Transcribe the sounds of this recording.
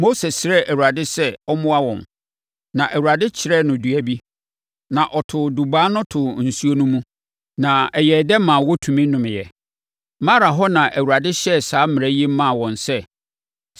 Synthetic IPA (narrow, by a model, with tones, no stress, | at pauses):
mo˦se˨sɾɛ˦ʔæ˨wu˨ɾa˨dɪ˦sɛ˦ɔ˦mʊ̃˦a˦wɔ̰̃˨n | nã˨ʔæ˨wu˨ɾa˨dɪ˦t͡ɕʰɪ˨ɾɛ˦nʊ̃˨dɥæ˨bi˦ | nã˨ʔɔ˨tʰʊ˨du˨ba˦nʊ̃˦tʰʊ˨n̩˨su˦o˦nũ˦mũ˦ | nã˨ɛ˨jɛ˨dɛ˦mã˨wʊ˦tʰũ˨mĩ˦nʊ̃˨mɪ̃˨jɛ˨ | mã˦ɾa˨ɦɔ˦nã˨ʔæ˨wu˨ɾa˨dɪ˦ɕɛ˦saː˨˦mɪ̃˨æ˦ji˦mã˦˨wɔ̃˨nsɛ˦